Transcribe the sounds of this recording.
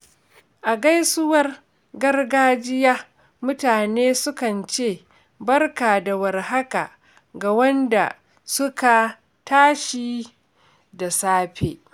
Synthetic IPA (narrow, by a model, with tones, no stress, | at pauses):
ʔa˨ɡa˦jsʊ˦wɐ˦r | ɡɐ˦rɡaː˦d͡ʒɪ˦jaː˦ | mʊ˦taː˨neː˦sʊ˦kɐ˨nt͡ʃeː˦˨ | bɐ˦rka˨da˨wɐ˨rha˦ka̰˨ | ɡa˨wɐ˦nda̰˨ | sʊ˦ka˨ | taː˦ʃiː˦ | da˨saː˦ɸḛː˨